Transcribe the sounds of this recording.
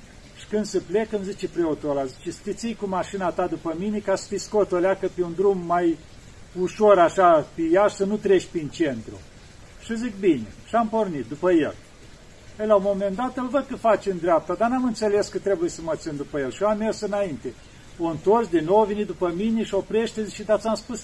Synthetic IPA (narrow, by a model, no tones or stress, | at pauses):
ʃi̥kɨnd̪səple̞kəmzit͡ʃepɾeot̪olazit͡ʃest̪it̪sijkumaʃinat̪ad̪upəmine̞kasə̥t̪iskot̪oleakəpeund̪ɾumːaj | uʃo̞ɾaʃapejaʃsənut̪ɾeʃpint͡ʃe̞nt̪ɾṵ | ʃɨzik̚bine̞̰ʃiampornit̪̚d̪upəjḛl | əjlaomo̞mend̪at̪əlvəd̪̚kəfat͡ʃemd̪ɾʲeap̚t̪ad̪anamɨnt̪sele̞skət̪ɾe̞bujesəmət̪sind̪upəjelʃiamːe̞rsɨnaint̪e̞ | oɨnt̪o̞rsd̪inːowvenit̪d̪upəmine̞ʃiopɾe̞ʃt̪ezit͡ʃʃed̪at̪sʲamspus